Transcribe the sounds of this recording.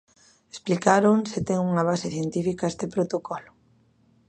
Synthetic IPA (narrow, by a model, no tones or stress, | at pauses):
esplikaɾoŋsɪt̪ɛŋuŋaβ̞aseθjent̪ifikaest̪epɾot̪okʰɔlʊ̥